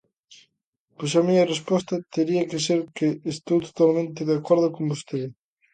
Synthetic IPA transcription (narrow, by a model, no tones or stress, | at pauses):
pojsɐmiɲɐrespɔst̪ɐt̪eɾiɐkɪs̬eɾkeːst̪owt̪o̥t̪almẽnt̪̬eðakoɾð̞okombost̪eð